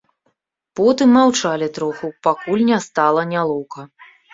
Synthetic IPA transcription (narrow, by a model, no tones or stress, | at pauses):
pɔt̪ɨmːawt͡ʂalʲit̪ɾɔxupakulʲnʲɛast̪alˠɐnʲalˠɔwkɐ